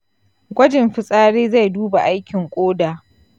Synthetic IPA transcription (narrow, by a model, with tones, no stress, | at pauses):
ɡʷɐ˦d͡ʒɪ˨mɸɪ˨sʼaː˦ɽeː˦za˦˨jduː˦ba˨ʔa˦jkʲɪ˨ŋkʷʼoː˦daː˨